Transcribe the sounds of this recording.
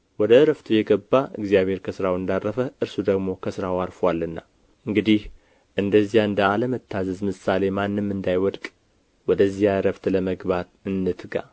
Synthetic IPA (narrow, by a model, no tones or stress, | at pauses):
wɔd̪əɾəft̪ʰjɛɡəbːaʔɨ̰ɡzjaβhe̞ɾkʰəsɨɾawɨnd̪arːəfəʔɨɾsud̪əɡmo̞kʰəsɨɾawaɾfwalːɨnːa | ʔɨŋɡɨd̪ih | ʔɨnd̪əzːijaɨnd̪əaləmət̪ʰːazəzmɨsale̞manːɨmːɨnd̪ajwɔd̪kʼ | wɔd̪əzːijaɾəft̪ləməɡbat̪ɨnːɨt̪ɨɡa̰